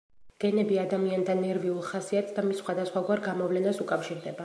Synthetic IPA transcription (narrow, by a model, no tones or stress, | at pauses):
ɡ̥ɛnɛbiad̪amiant̪ʰanːɛɾviulˠχasiat̪sd̪amisːχwad̪asχwaɡwaɾɡamɔvlɛnasukʼafʃiɾd̪ɛba